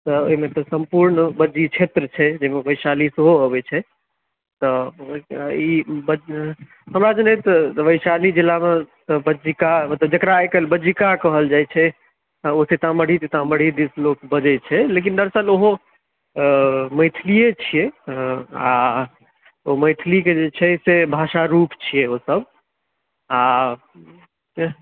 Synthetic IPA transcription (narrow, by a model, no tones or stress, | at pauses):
t̪ɔoɦimet̪ɔsəmpuɾnbəd͡ʒit͡ʃʰet̪ɾət͡ʃʰɛd͡ʒemeʋəɪsalisəɦoəbɛt͡ʃʰɛ | t̪ɔ | ibə | ɦəmɾad͡ʒnɛt̪ɔʋəjsalid͡ʒilːamet̪ɔbəd͡ʒikamət̪ləb̚d͡ʒəkɾajkəlbəd͡ʒikakəɦəld͡ʒajt͡ʃʰɛ | oset̪ãməɽ̤it̪et̪ãməɽ̤id̪islokbəd͡ʒɛt͡ʃʰɛlek̬ind̪əɾsəloɦo | məɪt̪ʰlijet͡ʃʰije | a | oməɪt̪ʰliked͡ʒet͡ʃʰɛsebʱaʃaɾupt͡ʃʰijeosəb | a